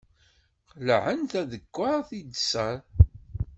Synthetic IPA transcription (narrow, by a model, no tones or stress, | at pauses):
qlʕənθæðəkʷːaθid̪səɾ